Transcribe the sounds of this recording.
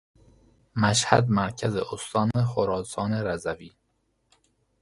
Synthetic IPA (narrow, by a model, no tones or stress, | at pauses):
mæʃhæ̰d̪mæɾcʰæzeʔost̪ɒːnexoɾɒːsɒːneɾæzæviː